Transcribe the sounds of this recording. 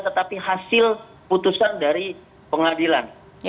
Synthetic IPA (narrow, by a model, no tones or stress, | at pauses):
t̪ət̪apiɦasɪl | put̪usandaɾi | pəŋadilan